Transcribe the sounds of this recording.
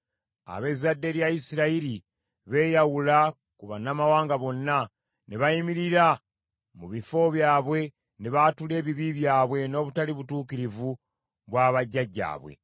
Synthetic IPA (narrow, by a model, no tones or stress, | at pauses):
a̰βe̞zadːe̞ɾjaisiɾaiɾi | βe̞ːjawula | kuβanːamawaːŋɡaβo̞nːa | neβajimiɾiɾa | muβifo̞βjaːβwe̞ | neβatule̞ːβiβiβjaːβwe̞no̞ːβutaliβutuːkiɾivu | βwaːβaɟːaɟːa̰ːβwḛ